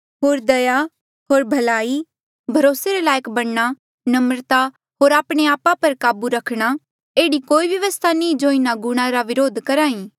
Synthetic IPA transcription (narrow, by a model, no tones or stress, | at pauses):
ɦoːɾd̪ɐja | ɦoːɾbʱɐlaːi | bʱɐɾoːseɾelaːjəkbɐɽɽ̃a | nɐmɾt̪a | ɦoːɾaːpɽ̃eaːpapɐɾkaːbuɾɐkʰɽ̃a | eːɽikoːiʋjɐʋəst̪ʰanĩːd͡ʒoːɪnaɡʊɽ̃ãɾaʋɪɾoːd̪ʱkɐɾaːĩ